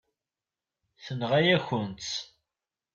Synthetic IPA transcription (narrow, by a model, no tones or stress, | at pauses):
θənʁæjæçənt͡s̪